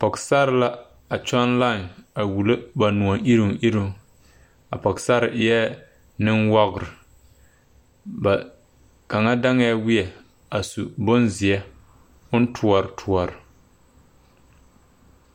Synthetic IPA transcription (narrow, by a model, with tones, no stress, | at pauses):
pɔ˨ksa˦ɾɪ˨˦la˦ | a˨t͡ʃɔ˦nla˦˨a˨wu˨lo˦ba˨nu˨ɔ˨ʔi˦ɾi˨ŋʔi˦ɾɪ˨ŋ˦ | a̰˨pɔ˨ksa˦ɾɪ˨ʔjɛ˦ | nɪ˦ŋwɔ˦ɣɾɪ˨ | ba˨ | ka˨ŋa˦da˦ŋ˦ɛ˦wɪ˦ɛ˨ | a˨su˨bʊ˦nzɪ˨ɛ˦ | ʊ˦n˦tʰu˦ɔ˨ɾɪ˨tʰu˦ɔ˨ɾɪ˨